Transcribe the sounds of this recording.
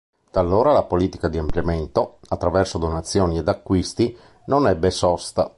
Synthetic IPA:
t̪alːoːɾalapoliːt̪i̥kad̪iampljament̪oat̪ːɾavɛrsod̪onat̪sːjoːnied̪akːwist̪i | nonɛbːesɔst̪a

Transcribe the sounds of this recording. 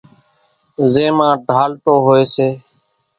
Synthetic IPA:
zẽːmãːɖʱaːlt̪oːɦoːeːseː

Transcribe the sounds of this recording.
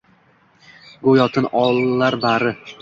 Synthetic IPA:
ɡojɒt̪ʰɪnɒlˠːaɾbaɾɪ

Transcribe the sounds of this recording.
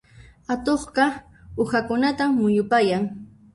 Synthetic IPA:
at̪oχɢɑ | ʊhakʊnat̪amːʊjʊpajaŋ

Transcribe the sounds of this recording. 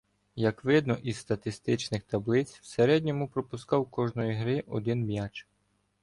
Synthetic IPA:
jɐkʋɪd̪nɔʔizst̪ɐt̪ɪst̪ɪt͡ʃnɪxt̪ɐblˠɪt͡sʲwseɾɛdʲnʲɔmʊpɾɔpʊskɑwkɔʒnɔjiɦɾɪʔɔ̰d̪ɪnbjat͡ʃ

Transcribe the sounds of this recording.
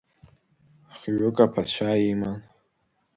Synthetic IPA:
aχɥʊkʼapʰat͡ɕʷʰaiman

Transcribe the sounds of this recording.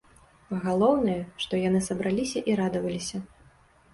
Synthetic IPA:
ɣalˠɔwnɨjɐʂt̪ɔjanɨsɐbɾʔalʲisʲɐʔiɾad̪ɐvɐlʲisʲɐ

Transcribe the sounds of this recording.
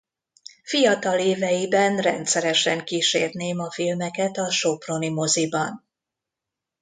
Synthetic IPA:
fijɒt̪ɒleːvɛjibɛnrɛ̰nt̪sɛɾɛʃɛŋkiːʃḛːrneːmɒfilmɛkɛt̪ɒʃopro̞nimo̞zibɒn

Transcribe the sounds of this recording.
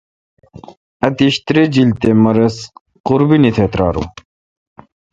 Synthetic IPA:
ɐt̪iɕt̪ɾed͡ʑilt̪emɐɾɐs | quɾbinit̪ʰet̪ɾa̰ːɾṵ

